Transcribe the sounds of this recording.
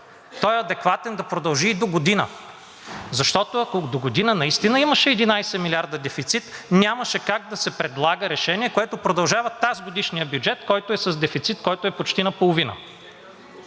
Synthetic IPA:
t̪ɔjɛɐd̪ɛkvat̪ɛnd̪ɐpɾod̪ɐlˠʒiːd̪oɡod̪inə̰ | zɐʃt̪ɔt̪oɐkod̪oɡod̪inənɐist̪inəiməʃɛɛd̪inajsɛmilʲaɾd̪ɐd̪ɛfit̪sit̪nʲaməʃɛkaɡ̚d̪ɐsɛpɾɛd̪lˠaɡəɾɛʃɛniɛkoɛt̪opɾod̪ɐlˠʒavɐt̪azɡod̪iʃnijəbʲjud͡ʒɛt̪kɔjt̪oɛsɐzd̪ɛfit̪sit̪kɔjt̪ʊɛpot͡ʃt̪inɐpolˠovinə̰

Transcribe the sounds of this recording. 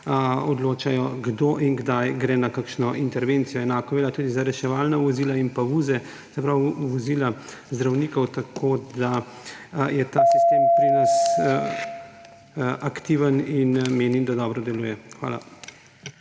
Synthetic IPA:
ɔd̪loːt͡ʃajɔɡd̪oːʔinɡd̪ajɡɾɛːnakakʃnɔʔint̪ɛɾʋent̪sijɔɛnaːkɔʋɛljat̪uːd̪izaɾɛʃɛʋaːlnaʋɔziːlainpauːzɛ | z̥ɛpɾawʋɔziːla | zd̪ɾawniːkɔwt̪akʰoːd̪a | jɛt̪aːsist̪eːmpɾinas | ʔakt̪iʋəninmeːnimd̪ad̪ɔːbɾɔd̪ɛluːjɛxʋa̰ːla̰

